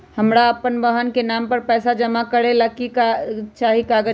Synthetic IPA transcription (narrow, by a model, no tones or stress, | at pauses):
həmɾaəpənbəɦənkenaːmpəɾpɛːsad͡ʒəmakəɾelakikat͡ʃaːɦikaːɡə